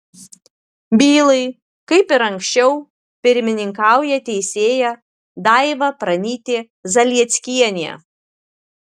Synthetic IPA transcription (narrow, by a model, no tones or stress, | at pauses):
bʲiːlˠɐɪ | kɐɪpɪɾɐŋʲkʲsʲt͡ʃʲɛʊ | pʲɪɾʲmʲɪnʲɪŋkɑˑʊjɛt̪ʲɛɪsʲeːjɛ | d̪ɑɪʋɐpɾɐnʲiːt̪ʲeː | zɐlʲiɛt̪sʲkʲiɛnʲḛ